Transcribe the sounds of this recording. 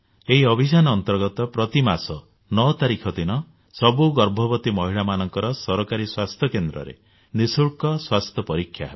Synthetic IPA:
eɦiɔbʱis̬anɔːnt̪ɔɾɡɔt̪ɔpɾɔt̪imasɔ | nɔt̪aɾikʰɔt̪inɔ | sɔbuɡɔɾbʱɔbɔt̪imɔɦiɭamanɔŋkɔɾɔsɔɾɔkaɾiswast̪ʰjɔkend̪ɾɔ̰ɾḛ | nisuɭkɔswast̪ʰjɔpɔɾikʰːja̰ɦeb

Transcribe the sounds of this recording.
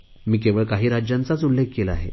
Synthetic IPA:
miːkeʋəɭkaɦiːɾad͡ʑjãnt͡sat͡sulːek̚kelaɦḛ

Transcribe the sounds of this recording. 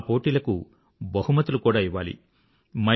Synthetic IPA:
po̞ːʈiːlɐkṵ | bɐhumɐt̪ulukuːɽaːiʋːaːlḭ | mɐ

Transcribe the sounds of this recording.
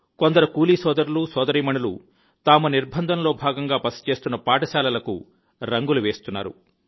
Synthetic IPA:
kond̪ɐɾɐkuːliːsɔːd̪ɐɾulusɔːd̪ɐɾiːmɐɳulṵ | t̪aːmuniɾbʱɐnd̪ʱɐnlo̞ːbʱaːɡɐŋɡaːpɐst͡ʃe̞ːst̪unːɐpaːʈɐsaːlɐlɐkṵ | ɾɐŋɡuluʋeːst̪unːa̰ːɾṵ

